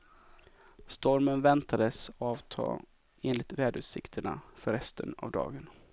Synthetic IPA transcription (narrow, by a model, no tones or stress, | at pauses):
st̪ɔɾmənvɛnt̪ʰad̪əsɔɑːvt̪ʰɑ̰ː | eːnlɪt̪vɛːd̪ʉːsɪ̰kt̪ʰəɳa̰fœɾɛst̪ʰəna̰vd̪ɑ̰ːɡən